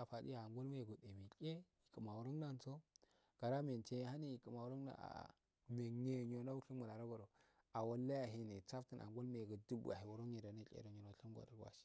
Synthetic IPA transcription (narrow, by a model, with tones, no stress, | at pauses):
a˨fa˨dḭ˦ja˨a˨ŋɡo˦lma˦je˨ɡu˨de˨mi˨kʼe˦i˨ku˨ma˨wu˨ɾo˦ŋ˦na˦˨n˦t͡so˦ | ɡ̥a˨ɾa˦me˨n˨t͡ʃe˦jha˦ni˦i˨ku˨ma˨wu˨˦ɾo˦ŋna̰˨a̰˨ | me˨ɲe˦˨ɲo˨na˦u˦ɬi˦mu˨ɾa˨ɾa˦ɡo˨ɾo˨ | a˨wa˨lːa˦ja˨ɦi˦ni˨t͡sa˦fti˨nʔa̰˨ŋɡʷo˦lma˦je˨ɡu˨du˦bṵ˨a̰˨hi˨wu˨˦ɾo˦ɲe˨do˨na˦kʲʼḛ˦ɾo˨ɲo˨no˨ɬi˦m˦ɡʷa̰˨ɾa˨˦wa̰˨ʃi̥˦